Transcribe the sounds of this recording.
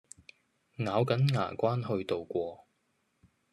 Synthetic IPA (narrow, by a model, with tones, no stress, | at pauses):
ŋaː˨˧wkɐ˨˥nŋa̰ː˨˩kʷaː˥nhɵ˧ɥt̪o˨wkʷɔː˧